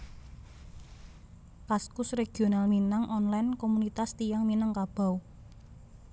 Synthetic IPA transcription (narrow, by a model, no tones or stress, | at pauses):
paskʊsreɡ̥ionalminaŋʔɔnlajnkomunit̪ast̪ijaŋminəŋkab̥a̤w